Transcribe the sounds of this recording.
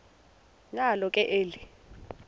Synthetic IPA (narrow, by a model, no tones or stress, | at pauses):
ŋalɔkʼɛʔeːli